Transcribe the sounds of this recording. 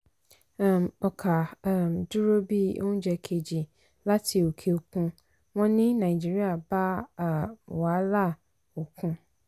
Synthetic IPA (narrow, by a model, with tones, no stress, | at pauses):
mɔ˨kʰa˨mdu˦ɾo˦bi˦o̰˦ũ˦d͡ʒɛ˨kʰe˨d͡ʒi˨ | la˦tʰi˨o˨kʰe˨o˨kũ˦ | mɔ̃˦nɪ̃˦nã˨i˨d͡ʒi˦ɾi˦a˨ba˦˨ | wɔ˨a˦la˦ | o˨kʰũ˦